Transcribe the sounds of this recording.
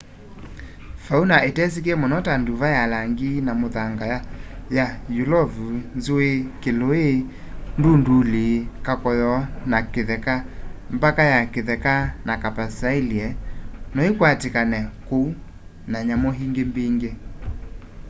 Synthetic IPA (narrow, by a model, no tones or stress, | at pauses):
faunaetɛs̬ik̬eɛmɔnɔtanduvajalaŋɡinamoðaŋɡajajajulɔvunzoekeloe | ndundulikakɔjɔnakeðɛkambakajakeðɛkanakapasailiɛnɔikwatekanɛkou | naɲamɔɦiŋɡembiŋɡe